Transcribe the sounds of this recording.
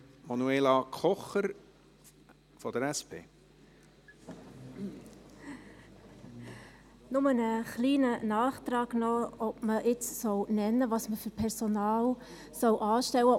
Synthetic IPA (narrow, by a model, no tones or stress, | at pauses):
mɑnuelɑkʰɔχəɾ | fɔd̥̪əɾɛspḛː | nʊmənəχliːnənɑːχt̪ɾɑːɡ̥nɔɔpməʔɪt͡ssɔwnɛnːəvɑsməfʏɾpʰɛɾsonɑːl | sɔwʔɑːʃtɛwə